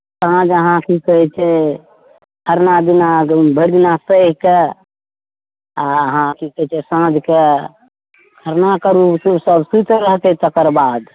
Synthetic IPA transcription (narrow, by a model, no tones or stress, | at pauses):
sãd͡ʒəɦãkikəɦɛt͡ʃʰɛ | əɾnad̪inabʱəɾd̪inasəɦke | aəɦãkikəɦit͡ʃʰɛsə̃d͡ʒʱke | kʰəɾnakəɾussəbsut̪ɾəɦt̪ɛt̪əkəɾbad̪